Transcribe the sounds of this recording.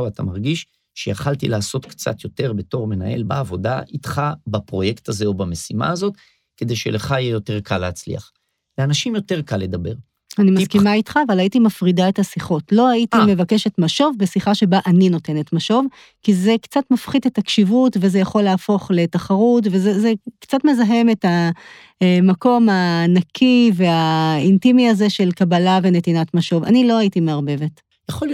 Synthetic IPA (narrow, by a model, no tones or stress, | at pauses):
ata̰maʁɡiʃ | ʃejaχaltilaːso̞tkt͡sa̰t̪jo̞te̞ʁbe̞to̞ʁmena̰ʔe̞̰lba̰ːvo̞da̰ʔitχabapʁo̞je̞kt̪azeobame̞sima̰ːzo̞t | ke̞d̪e̞jʃḛleχajejo̞te̞ʁkalːeːt͡slḭaχ | leanaʃimjo̞te̞ʁkalːe̞d̪abe̞ʁ | animakimait̪χaːvalaitimafʁidaethasiχo̞tlo̞haitimevake̞ʃe̞tmaʃo̞vbesiχaʃe̞baʔanino̞te̞ne̞tmaʃo̞v | kize̞kt͡satmafχidetakʃivutveze̞jaχo̞lːeːfo̞χle̞taχaʁut̬vezezekt͡satme̞zaɦe̞me̞ta | mako̞maːnakʰive̞aintimiaze̞ʃe̞lkabalave̞ne̞tinatmaʃo̞va̰nilo̞aitimeaʁbe̞ve̞t | jaχol